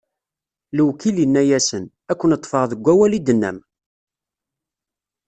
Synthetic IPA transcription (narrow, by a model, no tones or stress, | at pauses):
ləwkilinːæjæsən | ækʷːənət̪ˤːfəʁðəɡʷːæwælid̪ənːæ̰m